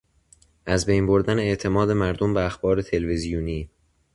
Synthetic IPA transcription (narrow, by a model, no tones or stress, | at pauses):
ʔæzbejnbo̞ɾd̪æneeʔt̪ʰe̞mɒːd̪e̞mæɾd̪ombeæxbɒːɾe̞t̪ʰe̞lvezijuːniː